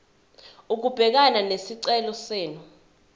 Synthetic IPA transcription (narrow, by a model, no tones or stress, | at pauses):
uk̬ub̥ʱɛk̬ananesiǀɛlɔseːnu